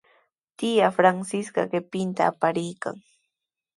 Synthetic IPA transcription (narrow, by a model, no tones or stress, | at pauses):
t̪ɪjafɾansɪskɑ̰ɢɪpɪnt̪aːpaɾɪjka̰ŋ